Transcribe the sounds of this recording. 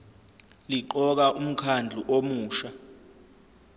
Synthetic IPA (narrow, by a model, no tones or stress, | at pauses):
liǃɔk̬aʔum̩kʰand͡ɮʱuʔomuːʃa